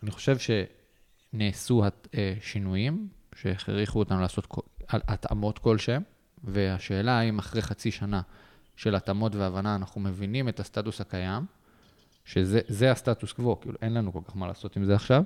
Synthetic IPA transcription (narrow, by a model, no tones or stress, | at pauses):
aniχoʃe̞vʃe̞ | neːsuhaeʃinujimʃeeχʁiχuotanulaːso̞tkaʔata̰mo̞tko̞lʃem | ve̞aʃe̞ːlaaimaχʁejχat͡siʃana | ʃe̞latamo̞tveavanaːnaχume̞vinime̞tast̪atushakajam | ʃe̞zezeastatuskvo̞kḭːluʔe̞nlanuko̞lkaχmala̰ːso̞timzeaχʃav